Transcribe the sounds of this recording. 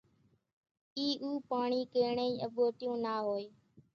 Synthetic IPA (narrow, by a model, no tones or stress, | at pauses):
iːʔuːpaːɳiːkeːɳeːĩːəɓoːʈɪjõːnaːɦoːeː